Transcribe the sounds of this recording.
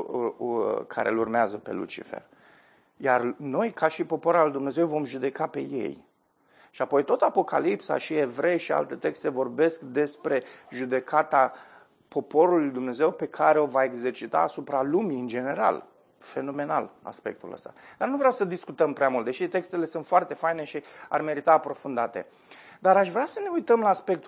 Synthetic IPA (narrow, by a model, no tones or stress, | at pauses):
kʰa̰ɾḛlurmeazəpe̞̰lṵt͡ʃḭfḛr | jarno̞jkʰaʃipo̞poɾalujd̪umne̞ze̞wvo̞mʒud̪e̞kape̞̰je̞̰j | ʃiapo̞jt̪o̞t̪apo̞kʰa̰lipsa̰ʃie̞vɾe̞jʃia̰lt̪e̞t̪e̞kst̪e̞vo̞rbe̞skd̪e̞spɾe̞ʒud̪e̞kʰat̪a | po̞po̞ɾulujd̪umne̞ze̞wpe̞kʰaɾe̞o̞vae̞ɡze̞rt͡ʃit̪a̰ːsupɾalumiɨnd͡ʒe̞ne̞ɾa̰l | fe̞no̞me̞na̰la̰spe̞̰k̚t̪ṵlə̰st̪ad̪̥arnuvɾeawsəd̪iskut̪əmpɾeamult̪d̪eʃit̪e̞kst̪e̞le̞sɨnt̪foart̪e̞fajne̞ʃia̰rme̞ɾit̪aːpɾo̞fund̪at̪e̞̰ | d̪aɾaʃvɾeasəne̞ujt̪əmlaːspe̞k̚t̪